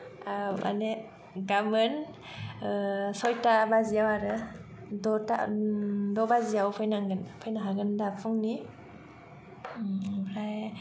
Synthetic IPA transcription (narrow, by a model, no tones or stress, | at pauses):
ama̰ne | ɡamɯn | sɔjtabazijawaɾɯ | dɔta | dɔbazijawpʰɔjnaŋɡɯnpʰɯjnaɦaɡɯndapʰuŋni | pʰɾaj